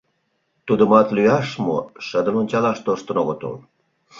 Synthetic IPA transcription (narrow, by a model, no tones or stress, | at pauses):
t̪ud̪əmɑt̪lyjɑʃmo̰ʃəd̪ə̆mənʲt͡ɕɑlɑʃt̪oʃt̪ə̆noɣot̪o̰l